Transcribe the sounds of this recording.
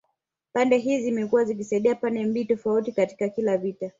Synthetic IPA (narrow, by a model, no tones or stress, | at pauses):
pandɛɦizimɛkuwazik̬isaiɗiapandɛmbiːtɔfautikati̥kakilavita